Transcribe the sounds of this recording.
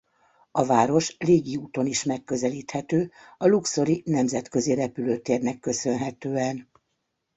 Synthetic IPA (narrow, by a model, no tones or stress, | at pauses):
ɒvaːɾo̞ʃleːɡiuːt̪o̞niʃmɛkːø̞zɛliːt̪hɛt̪øː | ɒlukso̞ɾinɛmzɛt̪kø̞ziɾɛpyløːt̪eːrnɛkːø̞sø̞nɦɛt̪øːɛn